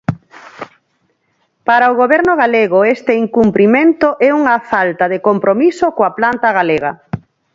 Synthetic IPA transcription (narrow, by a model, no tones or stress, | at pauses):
paɾaoɣoβɛɾnʊɣaleɣoest̪eiŋkumpɾimẽnt̪oʔɛuŋɐfalt̪aðekompɾomisokoaplant̪aɣaleɣɐ̰